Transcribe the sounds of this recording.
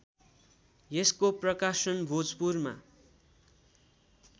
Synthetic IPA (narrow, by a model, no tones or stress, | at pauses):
jeskoprʌkasʌnbʱod͡zpurma̰